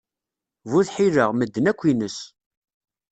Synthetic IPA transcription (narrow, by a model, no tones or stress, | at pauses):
vuθħiɾəʁməd̪ːənækʷːinəs